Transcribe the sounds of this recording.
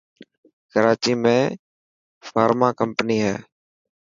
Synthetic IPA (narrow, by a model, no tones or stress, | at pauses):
kəɾaːt͡ʃiːmẽː | faːɾmaːkəmpəniːɦɛ̰ː